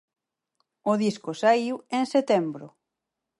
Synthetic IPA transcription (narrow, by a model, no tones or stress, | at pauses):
ʊðiskʊsaiweŋset̪ɛmbɾʊ̰